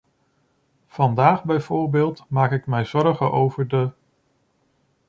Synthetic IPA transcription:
v̥ɑndaːχbɛjv̥ʊːɹbeːlˠtmaːkɪkmɛjz̥ɔɹχəʔowvəɹdə

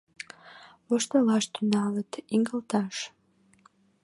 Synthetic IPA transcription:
βoʃt̪əlɑʃt̪ynɑlət̪iŋɡə̆lt̪ɑʃ

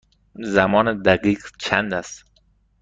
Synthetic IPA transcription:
zæmɒːned̪æɡiːqt͡ʃʰænd̪æst̪

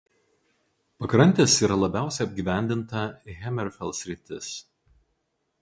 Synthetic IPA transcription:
pɐkɾɐnʲt̪ʲeːsiːɾɐlˠɐbʲæˑʊsʲɛɐbʲɡʲiːʋʲæˑnʲd̪ʲɪnt̪ɐɣʲɛmʲɛɾfʲɛlˠsʲɾʲɪt̪ʲɪs

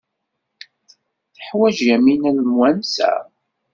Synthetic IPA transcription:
θəħwæʒæminælmwænsæ̰

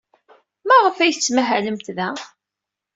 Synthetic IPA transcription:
mæʁəfæjθt͡sːmæɦæləmt̪ðæ

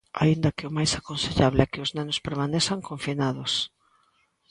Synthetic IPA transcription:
a̰ind̪ɐkɪʊmajsakonseʎaβlɛkɪʊznɛnʊspeɾmanesaŋkoɱfinaðʊs

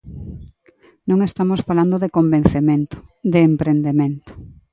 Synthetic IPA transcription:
nõŋest̪amosfaland̪oðekombẽn̟θement̪o̥d̪eːmpɾend̪emẽnt̪o̥

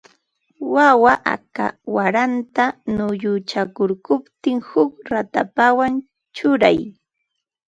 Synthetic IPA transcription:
wawaʔa̰ka̰waɾant̪anʊjʊt͡ʃakʊɾkʊpt̪ɪŋhʊkɾat̪apawan | t͡ʃʊɾaj

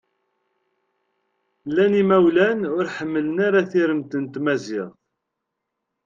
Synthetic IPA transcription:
lːænimæwlænʊɾħəmːələnaɾaθiɾəmt̪ənt̪mæzɪʁ

